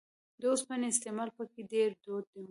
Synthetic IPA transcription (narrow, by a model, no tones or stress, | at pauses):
d̪ospəneɪst̪emɑlpəkeɖeɾd̪od̪̚d̪e